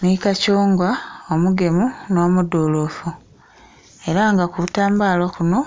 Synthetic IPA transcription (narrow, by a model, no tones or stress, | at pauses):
nikacuːŋɡwaomuɡe̞muno̞ːmudoːlofu | e̞ɾaŋɡakuβutaːmbaːlokuno̞